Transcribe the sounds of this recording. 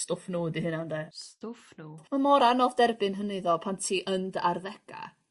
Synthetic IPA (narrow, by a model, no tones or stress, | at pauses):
stʊfnuːdihɨnandɛstʊfnumamɔɾanɔvdɛrbɨnɦənɪðɔpʰantʰiːʔəndarðɛɡ̥a̰